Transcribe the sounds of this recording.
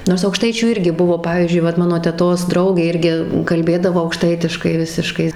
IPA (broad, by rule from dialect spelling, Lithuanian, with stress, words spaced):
ˈnoːrs ɐʊkˈʃtɐɪt͡ʃʲuː ˈɪrʲɡʲɪ ˈbʊʋoː ˈpɑːʋʲiːzʲd͡ʒʲʊɪ ˈʋɐt ˈmɑːnoː tʲɛˈtoːs ˈdrɐʊɡʲeː ˈɪrʲɡʲɪ kɐlʲˈbʲeːdɐʋoː ɐʊkˈʃtɐɪtʲɪʃkɐɪ ˈʋʲɪsʲɪʃkɐɪ